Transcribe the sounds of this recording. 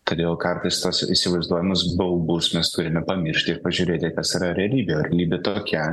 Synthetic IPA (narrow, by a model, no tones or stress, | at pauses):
t̪ɐd̪ʲeːlˠkɐɾt̪ɐɪst̪osisʲɪʋɐɪzd̪uɔjɪmʊsbɐlˠbusmʲɛst̪ʊɾʲɪmʲɛpɐmʲɪɾʲʃʲt̪ʲɪɾpɐʒʲʊɾʲeːt̪ʲɪkɐsiɾɐɾʲɛɐlʲiːbʲeɐɾlʲiːbʲɪt̪oːkʲɛ